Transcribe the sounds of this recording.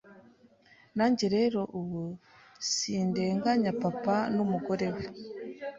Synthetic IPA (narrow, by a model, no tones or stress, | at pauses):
naːɲɟeɾe̞ɾo̞ʔuwu | sinde̞ːŋɡaɲapapanumuɡo̞ɾe̞we